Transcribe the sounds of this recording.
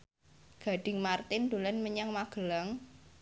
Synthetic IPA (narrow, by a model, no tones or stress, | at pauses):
ɡ̥a̤ɖ̥ɪ̤ŋmart̪ɪnd̪̥o̤lanməɲaŋmaɡ̥ə̤laŋ